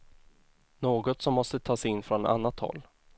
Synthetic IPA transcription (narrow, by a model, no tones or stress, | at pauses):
noːɡɔt̪sɔmːɔst̪ət̪ʰɑːsɛɪnːfɾɔna̰nːat̪hɔ̰lː